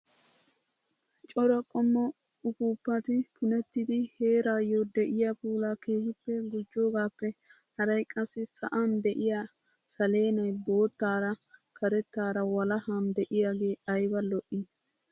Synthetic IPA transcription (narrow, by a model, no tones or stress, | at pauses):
t͡ʃʼɔɾɐkʼɔmːɔʊkuːpːɐt̪ɪpʰʊnɛt̪ːɪd̪ɪhe̞ːɾaːjod̪ɛʔɪjapuːlaːke̞ːhɪpːɛɡʊd͡ʒːoːɡaːpːɛ | hɐɾɐjkʼɐsːɪsɐ̰ʔand̪ɛʔɪja | sɐle̞ːnɐjbo̞ːt̪ːaːɾɐkʰɐɾɛt̪ːaːɾɐwɐlɐhand̪ɛʔɪjaɡeːɐjbɐlɔʔɪ